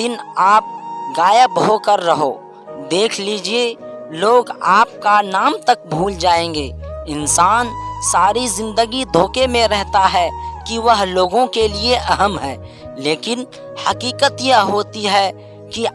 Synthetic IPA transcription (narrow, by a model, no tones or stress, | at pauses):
ɪnaːp̚ɡaːjəbɦokəɾːɐɦo̰ː | d̪eːkʰliːd͡ʒieloːɡaːp̚kanaːmt̪ɐk̚bʱuːld͡ʒaːẽːŋɡeːɪnsaːnsaːɾizɪ̃nd̪əɡid̪ʱoːkemẽɾɛɦt̪aɦɛkiʋɐɦloːɡõkelieʔɐɦəmɦɛː | leːkɪn | hɐkiːkət̪jəɦoːt̪iɦɛ | ki